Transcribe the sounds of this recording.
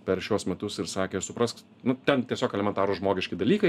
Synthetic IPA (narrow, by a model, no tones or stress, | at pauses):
pʲɛɾʃʲuɔsmʲɛt̪ʊsɪɾsɑːkʲesʊpɾɐsk | nʊt̪ʲɛnt̪ʲiɛsʲoːkɛlʲɛmʲɛnt̪ɑːɾoʒmoːɡʲɪʃʲkʲɪd̪ɐlʲiːkɐɪ